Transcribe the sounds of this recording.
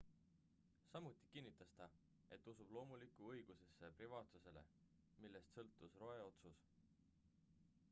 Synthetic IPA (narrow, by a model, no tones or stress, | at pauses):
sɑmut̪ːˑi̥kinːit̪ːˑɑst̪ɑ | e̞t̪ːˑusub̥lo̞ːmulikːˑuɤjɡ̥use̞sːe̞privɑːt̪suse̞le̞̰ | milːe̞st̪sɤ̞lt̪ːˑusro̞e̞o̞t̪sus